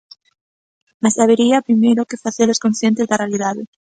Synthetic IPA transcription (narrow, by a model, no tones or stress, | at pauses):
masaβeɾiapɾimejɾokefaθeloskonsθjent̪ezðarealiðaðe